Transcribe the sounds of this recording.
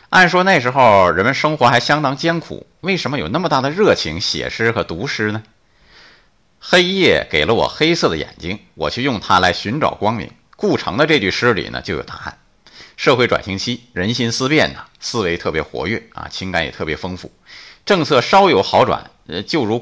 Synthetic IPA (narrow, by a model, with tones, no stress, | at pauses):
a˥˩nʂwɔ˥na˥˩ɪʂɻ̩˧˥xo˥˧ʊɻə˧˥nmə˧nʂɤ˥ŋxwɔ˧˥xa˧˥ɪɕjɑ˥ŋt̪ɑ˥ŋt͡ɕjɛ˥nkʰṵ˨˩˦ | we˥˩ɪʂə˧˥nmə˧jo˨˩ʊna˥˩mə˩t̪a˥˩d̪ə˩ɻɤ˥˩t͡ɕʰi˧˥ŋɕjɛ̰˨˩ʂɻ̩˥xɤ˧˥t̪u˧˥ʂɻ̩˥nə˨ | xe˥ɪjɛ˥˩ke˨˩ɪlə˦wɔ̰˨˩xe˥ɪsɤ˥˩d̪ə̰˩jɛ̰˨˩nt͡ɕi˥ŋ | wɔ̰˨˩t͡ɕʰy˥˧jʊ˥˩ŋt̪ʰa˥la˧˥ɪɕy˧˥nʈ͡ʂɑ̰˨˩ʊkwɑ˥ŋmḭ˧˥ŋ | ku˥˩ʈ͡ʂʰɤ˧˥ŋd̪ə˧ʈ͡ʂɤ˥˧t͡ɕy˥˩ʂɻ̩˥lḭ˨˩nə̰˦t͡ɕjo˥˩jo˨˩t̪ʰa˥˩n | ʂɤ˥˧xwe˥˩ɪʈ͡ʂwa̰˨˩nɕi˧˥ŋt͡ɕʰi˥ɻə˧˥nɕi˥nsɹ̩˥pjɛ˥˩nə˩sɹ̩˥we˧˥ɪt̪ʰɤ˥˩pjɛ˧˥xwɔ̰˧˥ɥɛ̰˥˩ɐ̰˨˩t͡ɕʰi˥ŋka˧˥njɛ˨˩t̪ʰɤ˥˩pjɛ˧˥fɤ˥ŋfu˥˩ʈ͡ʂɤ˥˧ŋt͡sʰɤ˥˩ʂɑ˥ʊjo˧˥ʊxɑ˧˥ʊʈ͡ʂwa̰˨˩˦nt͡ɕjo˥˩ʊɻu˧˥